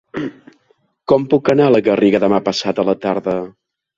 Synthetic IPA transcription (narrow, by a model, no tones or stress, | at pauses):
kɔmpukənaləɣəriɣəðəmapəsat̪ələt̪aɾðə